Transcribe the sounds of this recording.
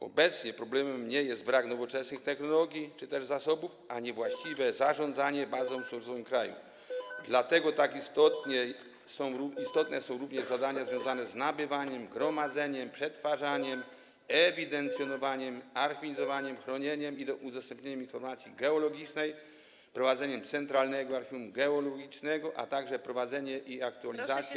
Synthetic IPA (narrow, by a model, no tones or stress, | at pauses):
ɔ̰bɛt̪sɲɛpɾɔblɛmɛmɲɛjɛsd̪t̪̚bɾaknɔvɔt͡ʂɛsnɘxt̪ɛxnɔlɔɡʲjit͡ʂɘt̪ɛʐzasɔbufaɲɛvwaɕt͡ɕivɛzaʐɔ̃nd̪zaɲɛbazɔ̃w̃fʂɛsɔvɘmkɾajṵ | d̪lat̪ɛɡɔt̪akist̪ɔt̪ɲɛ | sɔ̃w̃uist̪ɔt̪nɛsɔ̃w̃ɾuvɲɛʐzad̪aɲazvʲjɔ̃w̃zanɛznabɘvaɲɛmɡɾɔmad̪zɛɲɛmpʂɛt̪faʐaɲɛm | ɛvʲid̪ɛnt̪sʲjɔnɔvaɲɛmaɾxiizɔvaɲɛmxɾɔɲɛɲɛmid̪ɔʔud̪ɔst̪ɛmpɲeɲɛminfɔɾmat̪sʲiɡɛɔlɔɡʲit͡ʂnɛj | pɾɔvad̪zɛɲɛmt̪sɛnt̪ɾalnɛɡɔaɾxʲiumɡɛɔlɔɡʲit͡ʂnɛɡɔʔa̰t̪aɡʐɛpɾɔvad̪zɛɲɛʔiak̚t̪ualʲizat̪sʲjɛ